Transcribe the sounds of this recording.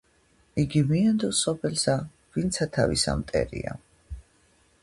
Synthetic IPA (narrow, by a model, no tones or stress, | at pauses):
iɡimiand̪ɔsɔpʰɛlsa | vint̪sʰat̪ʰavisa̰mt̪ʼɛɾḭa